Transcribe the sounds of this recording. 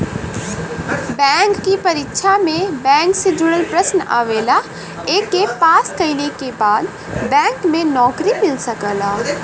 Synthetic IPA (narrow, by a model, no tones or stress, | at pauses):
bɛːŋkːipɐɾɪkːʃʰamẽbɛ̃ːŋksɪd͡ʒʊɽəlpɾəsna̰ːʋeːla | eːkːepaːskɐɪlekebaːd̪ | bɛ̃ːŋkmẽnɔːkɾimɪlsɐkəlaː